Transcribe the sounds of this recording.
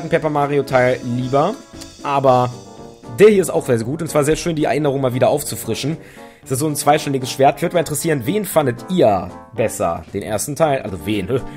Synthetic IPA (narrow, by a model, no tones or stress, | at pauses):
atn̩pʰɛpɐmaːʁiotʰaɪlliːbɐʔaːbɐ | deːɐhiɐɪsta̰ʊxzeːɐzɐɡuːtʊntsv̥aːɐzeːɐʃøːndiːɛ̰ɐʔɪnəʁ̞ʊŋmaːlviːdɐʔaʊft͡sufʁ̥ɪʃn̩ | sɪstz̥oːnt͡sv̥aɪʃtɛnɪɡəsʃv̥eːɐtçv̥ʏɐdəmalɪtəʁɛsiːʁ̞ənveːnfandətʔiːɐbɛsɐ̰d̥eːnʔḛɐstn̩tʰaɪlʔa̰lzoveːn